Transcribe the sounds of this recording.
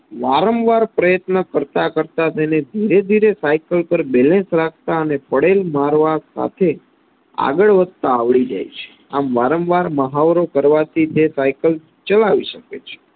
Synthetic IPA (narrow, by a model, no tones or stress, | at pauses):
ʋaɾəmʋaɾpɾəjət̪nəkəɾt̪akəɾt̪at̪ened̪ʱiɾed̪ʱiɾesajkəlpəɾbelẽnsɾakʰt̪aənepəɽelmaɾʋasa̰t̪ʰe | a̰ɡəɭʋəd̪t̪aːʋɭid͡ʒa̰jt͡ʃʰe̥ | amʋaɾəmʋaɾməɦaʋɾokəɾʋat̪ʰit̪esajkəl | t͡ʃəlaʋiʃəkḛt͡ʃʰe̥